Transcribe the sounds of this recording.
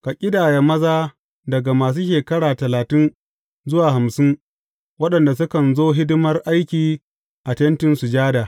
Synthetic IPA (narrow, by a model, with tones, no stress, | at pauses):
ka˨kʲʼɪ˦daː˨jɛ˨mɐ˦zaː˦ | dɐ˨ɡa˨maː˨s̬uː˦ʃeː˨kɐ˦ɽaː˨tɐ˨laː˨tɪ˦n | zʊ˦waː˨ɦa˨msɪ˦ŋ | wɐ˦ɗɐ˨nda˨s̬ʊ˦kɐ˨nzoː˦ɦɪ˦dɪ˦mɐ˦rʔa˦jkʲiː˨ | ʔa˨tɐ˦ntɪ˦nsu˨d͡ʒaː˦da˨